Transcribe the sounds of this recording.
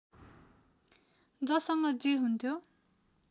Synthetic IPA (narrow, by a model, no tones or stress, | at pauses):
d͡zʌsʌŋɡʌd͡ziɦunt̪ʰjo